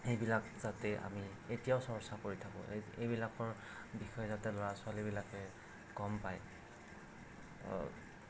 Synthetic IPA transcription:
xejbilakz̥atɛʔa̰mi | etijaʊsɔɹsakoɹitʰakɔ̰ejbilakɔɹ | bixɔjɛzatɛlɔɹasʊalibilakɛ | kɔmpaj

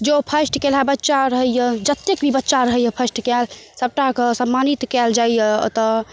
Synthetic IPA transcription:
d͡ʒopʰəsʈkelabətːʃaɾəɦəjjəd͡ʒət̪ːekbʱibətːʃaɾəɦəjəpʰəsʈkɛlsəb̚ʈakəsəmːanit̪kɛld͡ʒajjət̪ə

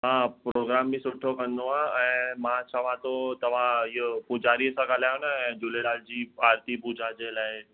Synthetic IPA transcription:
ɦãpɾoːɡɾaːmːĩsʊʈʰːokɐnd̪oaɛ̃ːmãt͡ɕʰɐʋ̤ãt̪ot̪ɐʋ̤ãɪʊpʊd͡ʒaːɾiəsãɡaːlaʊñɛ̃ːd͡ʑʊleɽaːld͡ʑiːaːɾt̪ipuːd͡ʒʱad͡ʑelaːɪ

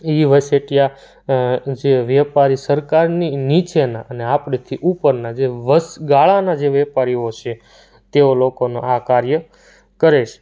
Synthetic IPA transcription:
iʋəseʈija | d͡ʒeʋjɛpaɾisəɾkaɾninit͡ʃʰenaʔəneapɳet̪ʰiʔupəɾnad͡ʒeʋəsɡaɭanad͡ʒeʋjɛpaɾiot͡ʃʰe | t̪eolokonoʔakaɾjə | kəɾeʃ

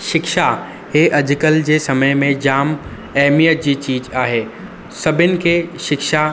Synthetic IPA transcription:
ʃɪkʃa | heːʔɐd͡ʑʱkəld͡ʑeːsɐməjmẽd͡ʑaːm | ɛɦmijət̪̚d͡ʑiːt͡ɕiːd͡ʑaːɦeː | sɐbʱɪnɪ̆kʰeʃɪkʃa

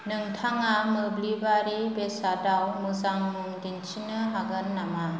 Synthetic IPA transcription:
nɯŋtʰaŋamɯblibaɾibesadawmɯzaŋmɯŋdint͡ʃʰinɯɦaɡɯnːama

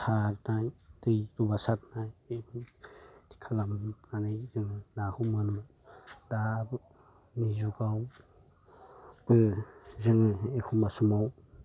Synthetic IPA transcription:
tʰaɾnajtɯjtubasat̚naje | ti̥kʰalamnanɯjdɯŋɯnahumanum | d̥ab | nizuɡaw | bɯzɯŋekʰumasumaw

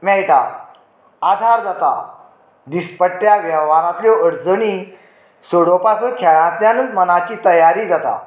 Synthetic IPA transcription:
mɛɭʈa̰ | ad̪ʱaɾd͡zat̪a̰ | d̪ispəʈːjaʋəʋaɾãt̪ljɔəɽd͡zəɽi | soɽopakʰəkʰɛɭãt̪ljanənd̪mənat͡ɕiːt̪əjaɾiːd͡zat̪a̰

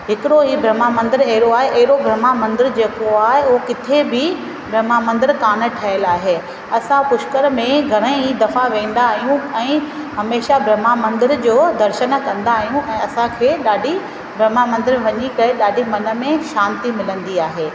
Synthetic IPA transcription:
ɦɪkɪɾoɦiːbɾɐmamɐ̃nd̪ɪɾɐɦɪɾoaːɦeʔɐɦɪɾobɾɐmamɐ̃nd̪ɪɾd͡ʑeːkoaːɦeuɦokɪt̪ʰebɪ | bɾɐmamɐ̃nd̪ɪɾkaːnə̆ʈʰaɪəlaːɦeː | ɐsãpʊʃkəɾmẽɡʱɐɽ̃ẽɦiːd̪ɐfaʋẽːnd̪aːɦijũɛ̃ː | ɦɐmeːʃabɾɐmamɐ̃nd̪ɪɾd͡ʑoːd̪ɐɾʃən̆kɐ̃nd̪aːɦijũʔɛ̃ːɐsãkʰeːɗaːɖʱi | bɾɐmamɐ̃nd̪ɪɾ̃ʋɐɲikɐeɗaːɖʱimɐnə̆mẽʃaːnt̪imɪlə̃nd̪iaːɦeː

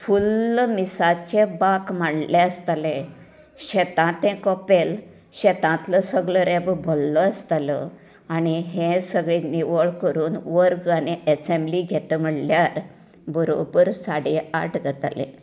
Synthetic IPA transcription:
fulmisat͡ɕebakmaɽleəst̪alẽ | ɕet̪ãt̪ẽkɔpel | ɕɛt̪ãt̪ləsəɡɭəɾebbʱolːəəst̪alə | añiɦesəɡɭiniʋəɭkəɾuːnʋəɾɡaniəsembliɡʱet̪əm̤əɽljaɾ | buɾo̰pəɾsaɽia̰ʈɡʱət̪a̰lḛ̃

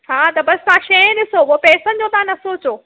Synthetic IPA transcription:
t͡ɕʰaːt̪ɐbɐssãːʃɐ̃ɗɪsouopɛːsə̃nd͡ʑoːt̪ãnɐsoːt͡ɕoː

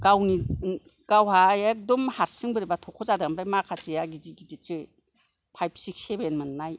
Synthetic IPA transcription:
ɡ̥awni | ɡ̥awhaek̚dɔmhaɾsɯŋbɯɾibatʰɔkʰɔzadamɾajmakʰasijaɡidiɡidit͡ʃɯ | pʰajp̚ʰsiksebenmɯnnaj

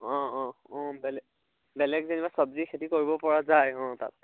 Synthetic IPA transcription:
ɔ̃ɔ̃ɔ̃bɛlɛ | bɛlɛɡzenibasɔbzikʰetikoɹibɔpɔɹazajɦɔ̃ta̰t̚

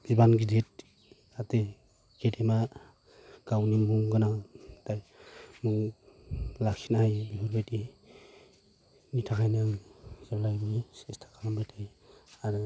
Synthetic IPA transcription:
bibanɡidet̚ | ate | kedema | ɡ̥awnimuŋɡɯnatajmuŋ | lakinahajbiɦɔɾbajti | nitʰakʰajnɯŋz̥ɯɾlajbɯisɛstʰḁkʰambajtʰaj | aɾɯ

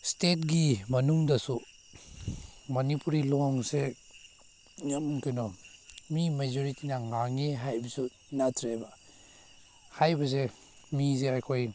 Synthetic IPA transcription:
stet̚ɡimɐnuŋdɐsu | mɐnipuɾilɔŋse | ŋamkinɔmimezoɾitinaŋaŋeɦajbɐsu | natʰɾeba | hajbɐse | mizeajkʰoj

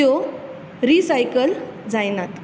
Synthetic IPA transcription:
o | ɾisajkəld͡zajnat̪

